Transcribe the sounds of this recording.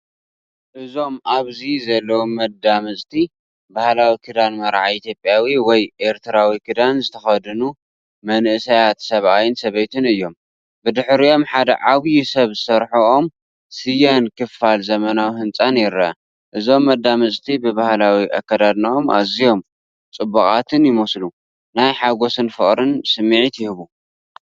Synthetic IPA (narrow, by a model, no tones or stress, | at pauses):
ʔɨzo̞mʔaβzizɐlːɐwomːɐd̪ːamɨsʼt̪ʰi | bahlawikʰɨd̪anmɐɾʕait̪ʰjo̞pʼjawiwɔjʔe̞ɾt̪ʰɨɾawikʰɨd̪anzɨt̪ʰɐxɐd̪ɨnu | mɐnʔɨsɐjat̪sɐβʔajɪnsɐβɐjt̪ʰɨnɨjːo̞m | bɨd̪ɨħɾio̞mħad̪ɐ̰ʕaβjisɐβzɨsɐɾħuʔom | sɨjɐnkɨfalzɐmɐnawihɨnt͡sʼanjɪɾɐɐ̰ | ʔɨzo̞mːɐd̪ːamɐsʼt̪ʰibɨβahlawiʔa̰kːɐd̪ad̪nɐomʔa̰zijo̞m | t͡sʼɨbːɐχʼat̪ʰɨnjɪmoslu | najħaɡo̞sɨnfɨ̰χʼɾɨnsɨmːiʕit̪jɪhɨβu